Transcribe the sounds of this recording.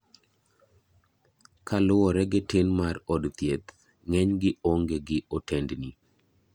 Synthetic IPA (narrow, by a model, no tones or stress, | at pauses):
kʰalʊwɔɾɛɡetenmarɔdt̪jet̪ | ŋɛɲɡɪoŋɡeɡɪʔotendni